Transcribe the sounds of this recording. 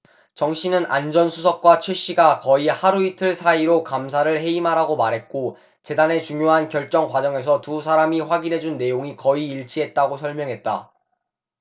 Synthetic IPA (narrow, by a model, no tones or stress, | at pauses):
t͡ɕʌŋɕʰinɯnand͡ʑʌnsʰusʰʌk̚k͈wat͡ɕʰwe̞ɕ͈iɡakʌihaɾuitʰɯɭsʰaiɾokamsʰaɾɯɭɦe̞imɦaɾaɡomaɾɦe̞t̚k͈o | t͡ɕe̞dane̞t͡ɕuŋjoɦankjʌɭt͡ɕ͈ʌŋkwad͡ʑʌŋe̞s̬ʰʌtusʰaɾamiɸwaɡinɦe̞d͡ʑunːe̞joŋikʌiːɭt͡ɕʰiɦe̞t̚t͈aɡosʰʌɭmjʌŋɦe̞t̚t͈a̰